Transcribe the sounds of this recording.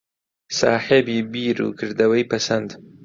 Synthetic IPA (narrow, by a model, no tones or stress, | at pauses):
sɑ̰ːħɪbibiɾṵkɨɾd̪awajpasand̪